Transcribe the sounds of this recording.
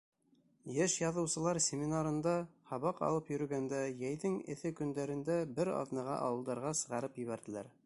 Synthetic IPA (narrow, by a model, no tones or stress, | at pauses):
jɘʃjɑðɤ̆wsɤ̆lˠɑɾsʲemʲinaɾɤ̆nd̪ɑhɑβɑqɑ̰lˠɤpjɵ̆ɾɵ̆ɡænd̪æjæjðɘŋɘ̰̆θɘkɵ̆nd̪æɾɘ̆nd̪æbɘɾɑ̰ðnɤʁɑ̰ʔɑ̰wɤ̆lˠd̪ɑɾʁɑsɤ̆ʁɑɾɤpjɘ̆βæɾðɘ̆læ̰ɾ